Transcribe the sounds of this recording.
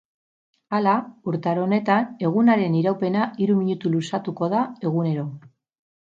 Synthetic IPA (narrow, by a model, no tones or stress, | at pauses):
alauɾt̪aɾo̞ne̞t̪ane̞ɣ̞unaɾe̞niɾawpe̞naiɾumiɲut̪ulusat̪uko̞ð̞ae̞ɣ̞une̞ɾo̞